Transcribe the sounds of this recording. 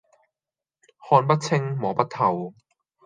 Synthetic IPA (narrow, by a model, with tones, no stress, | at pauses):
hɔː˧npɐ˥t̚t͡sʰɪ˥ŋmɔː˨˥pɐ˥t̚t̪ʰɐ˨˩w